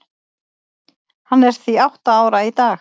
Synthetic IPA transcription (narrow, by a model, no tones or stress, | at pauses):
hanːɛɾ̥t̪θviawht̪aaːwɾait̪aːx